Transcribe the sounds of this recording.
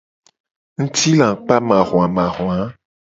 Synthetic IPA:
ŋ̩̃˦t̪i˦lã˨k͡pa˦mã˨ɣõ˨a˨mã˨xo˨ã˨˦

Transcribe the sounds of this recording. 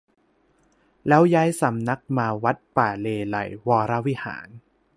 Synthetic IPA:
lɛː˦˥wjaː˦˥jsa˩˦mna˦˥k̚maː˧wa˦˥t̪̚paː˨˩leː˧la̰˨˩jwɔː˧ɾa˦˥wi˦˥ha̰ː˩˦n

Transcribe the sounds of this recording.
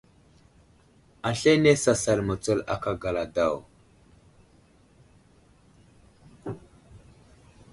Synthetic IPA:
a˨ɬe˦ne˦sa˨sa˨lmə˨t͡sə˦la̰˦ka˨ɡa˨la˨da˦˨w

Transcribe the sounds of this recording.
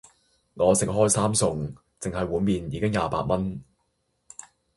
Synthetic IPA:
ŋɔː˨˧sɪ˨k̚ɦɔː˥jsaː˥msʊ˨ŋ | t͡sɪ˨ŋɦɐ˨jwuː˨˧miː˨njiː˨˧kɪ˥ŋjaː˨˧pa̰ː˧t̚mɐ˥n

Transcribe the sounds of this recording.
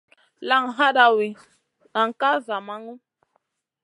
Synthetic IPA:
la˦˨ŋ˨ɦa˦da˨wi˨ | a˨ŋ˨ka˦za˨ma˦ŋu˦

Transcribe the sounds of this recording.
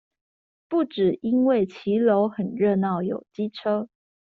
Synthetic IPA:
pu˥˩ʈ͡ʂɻ̩˨˩ʔi˥nwe˥˩ɪt͡ɕʰi˨˥˦lo˧˦ʊxə˨˩nɻə˥˧nɑ˥˩ʊjo˨˩ʊt͡ɕi˥ʈ͡ʂʰɤ˥

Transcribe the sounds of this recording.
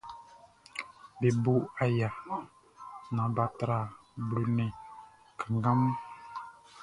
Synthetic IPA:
be˨bu˦a˨ja˨ | nã˨ba˨t̪ɾa˨ | blu˨nẽ˨ | ka˨ŋɡa˦m˦

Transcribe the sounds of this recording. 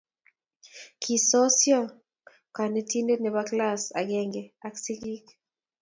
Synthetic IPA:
kʰi˨sɔ˦sjɔ˦ | ka˨ne˦ti˦nde˦nɛ˨ba˦kla˦sa˨ɡɛŋɡɛ˨a˨ksi˦ɡi˦k

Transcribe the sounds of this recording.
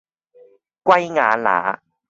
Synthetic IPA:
kwa˦jŋa˨˦la̰ː˨˦

